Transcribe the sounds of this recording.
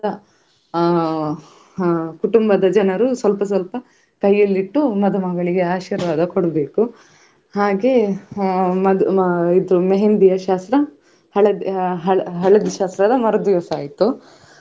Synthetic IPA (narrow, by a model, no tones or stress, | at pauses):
ɐ | kuʈumbɐd̪ɐd͡ʒɐnɐɾusʋɐlpɐs̬ʋɐlpɐ | kɐjːɐlːiʈːumɐd̪ɐmɐɡɐɭiɡe̞aːʃiːɾʋaːd̪ɐkoɽɐbeːku | haːɡe | mɐd̪id̪ɾumeɦend̪ijɐʃaːst̪ɾɐ | hɐɭɐd̪ɦɐɭɦɐɭɐd̪iʃaːst̪ɾɐd̪ɐmɐɾɐd̪jɔsaːjit̪u